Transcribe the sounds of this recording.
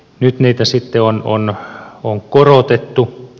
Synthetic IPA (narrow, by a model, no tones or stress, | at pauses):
nyt̪niːt̪æsit̪ːeono̰noŋkorot̪et̪ːu